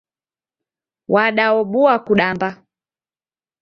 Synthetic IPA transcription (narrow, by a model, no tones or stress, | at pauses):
wʔaɗaɔɓuakuɗamba